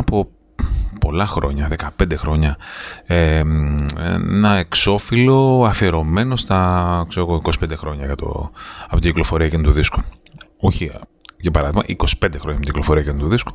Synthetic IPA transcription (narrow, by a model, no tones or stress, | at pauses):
ɐpo̞ | po̞lɐxɾo̞ɲɐðe̞kɐpe̞nd̪e̞xɾo̞ɲɐe | ḛnɐe̞kso̞filo̞ɐfieɾo̞me̞no̞st̪ɐkseɾoɣoikosi̥pe̞nd̪exɾo̞ɲɐʝɐt̪o̰ɐpot̪iɟiklo̞fo̞ɾiɐkenut̪uðisku̥ | oçiʝɐpɐɾɐðimɐ̰ʔiko̞si̥pend̪exɾoɲɐpot̪ilofo̞ɾiɐcenut̪uðisku̥